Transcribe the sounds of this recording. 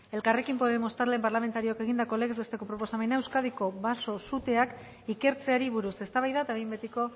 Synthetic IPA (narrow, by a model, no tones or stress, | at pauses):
e̞lkare̞kimpo̞ð̞e̞mo̞st̪aɾlempaɾlame̞nt̪aɾio̞ake̞ɣ̞ind̪ako̞le̞ɣezβest̪e̞ko̞pɾo̞po̞same̞naewskaðiko̞βaso̞sut̪e̞ak | ike̞ɾt͡se̞aɾiβuɾuse̞st̪aβajðat̪aβjmbet̪iko̞